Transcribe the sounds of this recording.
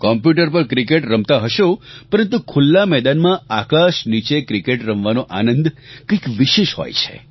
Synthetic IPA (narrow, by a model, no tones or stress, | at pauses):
kɔmpjuʈəɾp̬əɾkɾikeʈɾəmt̪aɦəʃopəɾənt̪ukʰulːamɛd̪anmãakaʃnit͡ʃekɾikeʈɾəmʋanoʔanənd̪kəjkʋɪʃeʃhɔ̰jt͡ʃʰḛ